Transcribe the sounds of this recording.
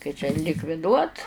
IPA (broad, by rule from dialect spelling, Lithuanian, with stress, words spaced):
kɐɪ t͡ʃʲɛ lʲɪkʋʲɪˈduɔt